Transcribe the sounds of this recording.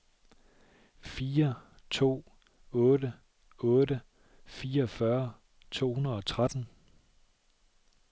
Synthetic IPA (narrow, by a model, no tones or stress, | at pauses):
fiːɐ | t͡sʰo̝̰ː | ɔ̽ːɾə | ɔ̽ːɾə | fiːɐfɶɐ | t͡sʰo̝̰ːhunɐðˠɒ̽t͡sʰʁad̥n̩